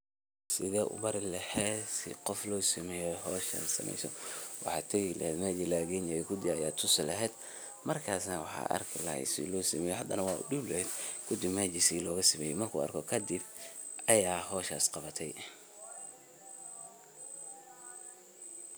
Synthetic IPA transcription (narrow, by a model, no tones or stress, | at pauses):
sɪðɛːʔʊ̰bɐɾɪlɐhɛːsɪ̰qɔflɔːsɐmɛjɔɦɔːʃa̰sɐ̰mʔɛ̰jsɔwʔɑħɑt̪ʰɛlɐ̰hɛːd̪maːd͡ʒɪlaːɣɛnajɛkʰʊd̪ɪɐjaːt̪ʰʊslɐɦɛːd̪ | mɐrkʰaːsnɐwɑħɑ̰ʔɐ̰rkʰɪlɐ̰hɛ̰sɪ̰lɔːsɐmɛjɔhɐd̪ɐnɐwɑːʊ̰ɖʊblɛhɛd̪kʰʊd̪ɪbmad͡ʒɪsilɔːɣɐsɐmɛjɛmɐrkʰʊːɐ̰rkʰɔkʰɐd̪ɪb | ɐjaːɦɔːʃaːsqɑβɐt̪ʰɛj